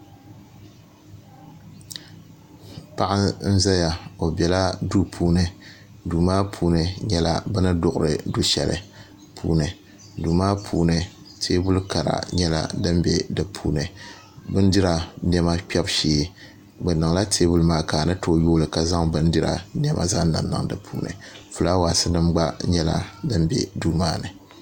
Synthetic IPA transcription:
pa˦ʔa˦n̩˦za˦ja˨o˨bɛ˨la˦du˦pʰuː˦nɨ˨ | duː˨maː˦pʰuː˦nɨ˨ɲɛ˦la̰˦bɨ˦nɨ˦dʊ˨ʔʊ˨ɾɨ˨du˦ʃɛ˨lɨ̰˨ | pʰṵː˦nɨ˨ | duː˨maː˦pʰuː˦nɨ˨ | tʰeː˦bʊ˦lka˨ɾa̰˨ɲɛ˦la̰˦dɨ˦mbɛ˦dɨ˨pʰṵː˦nɨ˨ | bɨ˦n˦dɪ˦ɾa˨n˦ɛ˦ma˦pʲɛ˦bʃiː˦ | bɨ˨nɨ˨ŋla˦tʰeː˦bu˦lmaː˦kaː˨nɨ˦toː˦joː˦lɨ˨ka˨za˦ŋbɨ˦n˦dɨ˦ɾa̰˨n˦ɛ˦mʔa̰˨za˦nɨ̰˨nnːɨ̰˨ŋdɨ˨pʰṵː˦nɨ̰˨fu˨la˦waː˨sɨ˦nɨ˦mɡ͡ba˦ɲɛ˦la̰˨dɨ˦mbɛ̰˨duː˦maː˦nɨ˨

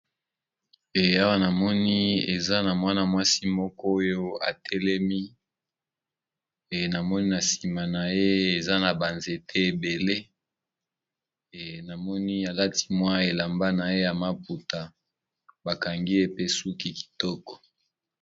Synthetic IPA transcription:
e˨a˦wa˦na˨mɔ˦ni˦e˨za˦na˨mwa˦na˨mwa˦si˦mɔ˦kɔ˦o˦jo˦a̰˨tʰɛ˦lɛ˦mi˦˨ | na˨mɔ˦ni˦na˨si˨ma˨na˨je˦e˨za˦na˨ba˨nze˨tʰe˦e˨be˨le˦˨ | na˨mɔ˦ni˦a˨la˦ti̥˦mwa˦e˨la˨mba˦na˨je˦ja˨ma˦pu˨ta˨ | ba˨ka˨ŋɡi˦e˦pe˦su˦ki˦ki̥˨tɔ˦kɔ̥˨

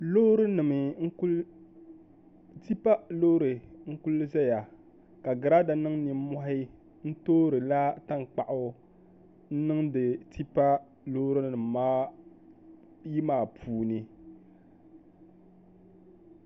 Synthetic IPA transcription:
lo˦ɾɨ˦nɨ˨mɨ˨ŋ̩˦ | ti˦pa˦lo˦ɾɨ˨ŋ̩˦ku˦lːɨ˦za˦ja˨ | ka˨ɡɨ˨ɾa˦da˨nɨ˦ŋni˨m˦mɔ˦ɦɪ˦ | n̩˦toː˦ɾɨ˨la˦ta˦ŋ˨k͡pa˨ʔʊ˨ | n̩˦nɨ˦ŋdɨ˨tʰi˦pa˦ | lo˦ɾɨ˦nɨ˨m˨maː˦ | ji˦maː˨pʰuː˨nɨ˦

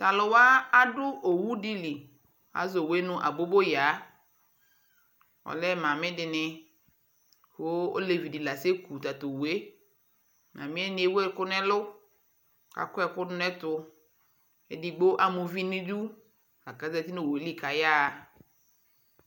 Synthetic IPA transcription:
ta˨lʊ˨wa˦a˦dʊ˦ʔo˨wu˦di˦li˨ | a̰˨zo˨we˦nʊ̃˦ʔa̰˨bo˦bo˦ja˨˦ | ɔ̰˨lɛ˦mã˨mɪ̃˦dɪ˨nɪ˨ | ho˦o̰˦le˨vi˨di˨la˨se˦ku˨t̪a˨t̪o˨we˦ | nã̰˨mĩ˦ɛ˦nɪ̃˨˦e˦we˦kʊ˦nɛ˦lʊ˦ | ka̰˨kʊ˦ɛ˨kʊ˦dʊ˦nɛ˦t̪ʊ˦ | e˨di˨ɡ͡bo˦ʔa˨mʊ̃˨vi˦nĩ˦du˦ | a˨ka˨zɛ˦˨ti˦no˦˨we˨˦li˦ka˨ja˦˨

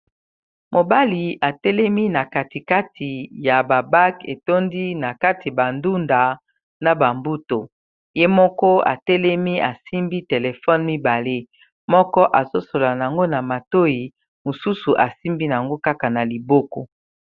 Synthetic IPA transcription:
mo˨ba˦li˨a˨tɛ˦lɛ˦mi˦na˨ka˨ti˨ka˦tʰi˨ja˨ba˨ba˦kḛ˨to˦ndi˦na˨ka˦ti˨ba˨ndu˦nda˨ | na˨ba˨mbu˦to˨ | je˦mɔ˦kɔ˦a̰˨tɛ˦lɛ˦mi˦a˨si˦mbi˦te˨le˨fɔ˦nmi˦ba˨le˦ | mɔ˦kɔ˦ʔa˨zo˦so˨la˨na˨a˨ŋɡo˦na˨ma˨to˦i˨ | mo˨su˦su˨ʔa˨si˦mbi˦n˨a˨ŋɡo˦ka˦ka˨na˨li˨bo˦ko˦

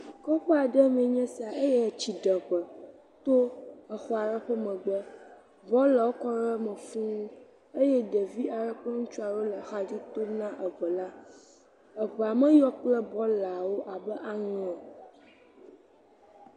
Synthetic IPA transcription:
kɔ˦k͡pɔ˦a˨ɖɛ˦m˦ɛ̃˨ɲɛ̃˦si˨a˨ʔe˦jɛ˦˨t͡ɕi˨ɖə˨ɸə˨ | t̪o˦ɛ˨xɔ˦a˨ɖə˦ɸə˦mɛ̃˨ɡ͡bə˦ | bɔ˦lə˨wo˦kɔ˦ɾə˦mɛ̃˨fũ˦ũ˦ | e˦jɛ˦ɖɛ˨vi˦a˨ɾə˦k͡plɛ˦ŋũ˦t͡ʃu˦a˨wo˦lə˨xa˦d͡ʑi˦t̪o˦nã˦ʔə˨ɸə˨la˦ | ə˨ɸə˨a˨mɛ̃˦jɔ˦k͡plɛ˦bɔ˦la˨wo˦ʔa˨bə˦ʔa˦ŋɛ̃˨

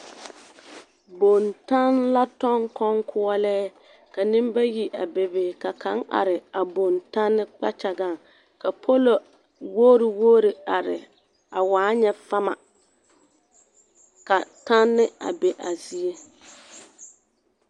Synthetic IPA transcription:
bo˨nta˦nla˦tɔ˦ŋkɔ˦ŋkʰʊ˦ɔ˦lɛː˦ | ka˨nɪ˦mba˦ji˨ʔa̰˨be˨beː˨ka˨kʰa˨˦ŋa̰˨ɾɪ˨a˨bo˨nta˦nːɪ˦k͡pa̰˦t͡ʃa˨ɡa˦˨ŋ | ka˨pʰo˦lo˨ | woː˦ɾɪ˨woː˦ɾi˨a˨ɾɪ̰˨ | a˨waː˨˦ɲɛ˦fa˦ma̰˨ | ka˨ta˦nːɪ˦a̰˨be˨ʔa˨zi˦e˦

